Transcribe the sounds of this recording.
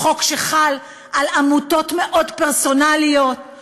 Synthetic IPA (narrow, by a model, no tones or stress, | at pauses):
o̞kʃeχal | ʔalamuto̞tme̞ʔo̞dpeʁso̞nalijo̞t̚